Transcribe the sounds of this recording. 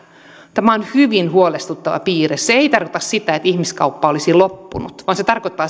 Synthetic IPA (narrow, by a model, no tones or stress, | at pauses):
t̪æmæonhyʋinhuolest̪ut̪ːɑʋɑ̰piːresseeit̪ɑrkot̪ɑssit̪æet̪ihmiskɑ̰wpːɑolisilopːṵnut̪ʋɑːnset̪ɑrkot̪ːɑː